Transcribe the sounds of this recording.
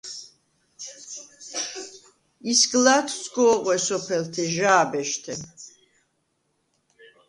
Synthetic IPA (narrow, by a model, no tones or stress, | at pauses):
isɡlat̪ʰsɡɔːʁwɛsɔpʰɛlt̪ʰɛʒaːbɛʃt̪ʰɛ